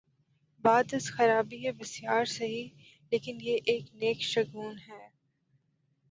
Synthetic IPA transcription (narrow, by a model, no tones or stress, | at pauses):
baːd̪ɪsxɐɾaːbiɦɛbɪsjaːɾseɦi | leːkɪnjeʔeːkneːkʃɐɡuːnɦɛː